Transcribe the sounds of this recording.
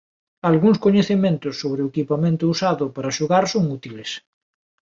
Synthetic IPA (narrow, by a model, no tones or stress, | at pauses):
alɣuŋskoɲeθemẽnt̪ʊsːoβɾeʊekipamẽnt̪ʊusaðʊpaɾaʃuɣaɾsoŋut̪iles